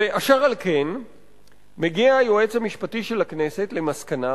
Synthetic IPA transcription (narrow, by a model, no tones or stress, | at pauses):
eʔaʃaʁalke̞n | meɡiaːjoet͡shamiʃpatiʃe̞lakne̞se̞tle̞maskana